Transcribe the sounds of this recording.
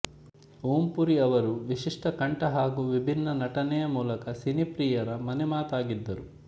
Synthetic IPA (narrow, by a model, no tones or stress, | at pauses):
uːmpuɾiɐʋɐɾuʋiʂiʂʈɐkɐɳʈɐɦaːɡuʋibʱinːɐnɐʈɐnɛjɐmuːlɐkɐsinipɾiːjɐɾɐmɐnɛmaːt̪aːɡid̪ːɐɾu